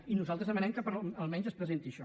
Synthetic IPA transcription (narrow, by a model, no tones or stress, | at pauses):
inuzalˠt̪ɾəzəmənɛmkəpəɾəlˠmɛɲzəspɾəzent̪iʃɔ